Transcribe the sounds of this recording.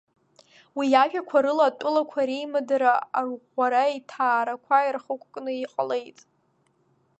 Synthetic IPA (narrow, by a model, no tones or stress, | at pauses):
wijaʒᶣakʷʰaɾɨlaːtʷʼʊlakʷʰaɾejmadaɾaarʁʷaɾaitʰaːɾakʷʰajrχəkʷʼkʼnɨiqʼale̞jtʼ